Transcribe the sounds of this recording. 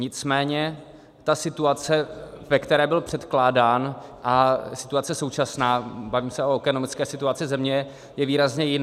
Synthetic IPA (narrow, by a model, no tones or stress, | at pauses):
ɲɪt͡smɛːɲɛ | t̪asɪt̪uat͡sɛvɛkt̪ɛɾɛːbɪlpr̝̥ɛt̪klaːdaːn | ʔasɪ̥t̪uat͡sɛso̞wt͡ʃasnaːbaviːmsɛʔoɛkɛnomɪt͡skɛːsɪt̪uat͡sɪzɛmɲɛ | jɛviːɾazɲɛjɪna